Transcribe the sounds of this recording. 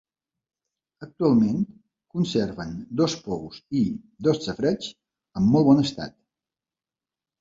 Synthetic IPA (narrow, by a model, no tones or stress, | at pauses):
ək̚t̪ualˠment̪ | kunserβənd̪ɔspɔwzi | d̪ɔst͡səfɾɛt͡s | əmːɔlˠβɔnəst̪a̰t̪